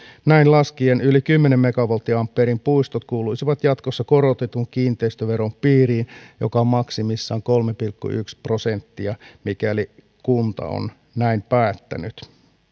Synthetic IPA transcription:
næinlɑskienylikymːenemːekɑʋolt̪ːiɑmpːeɾimpuist̪ot̪kuːluisiʋɑt̪jɑt̪kosːɑkorot̪et̪uŋkiːnt̪eist̪øʋeɾompiːriːnjo̰kɑmɑksimisːɑːŋkolmepilkːṵyksprosent̪ːiɑmikæli | kunt̪ɑ̰o̰n | næimpæːt̪ːæ̰nyt̪

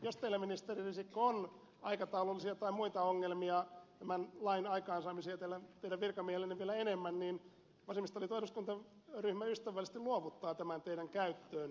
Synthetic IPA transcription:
jost̪eilæminist̪eririsikːoon | ɑikɑt̪ɑulolːisiɑt̪ɑimuit̪ɑoŋːelmiɑt̪æmænlɑinɑikɑːnsɑːmisiɑt̪eælːæt̪eidæʋʋirkɑmiehelenːeʋielæenemːænniːn | ʋɑsemist̪olit̪oisuskunt̪ɑ | ryhmæyst̪æʋːˑælːist̪iluoʋut̪ːɑːt̪æmænt̪eiɾæŋkæyt̪ːøːn

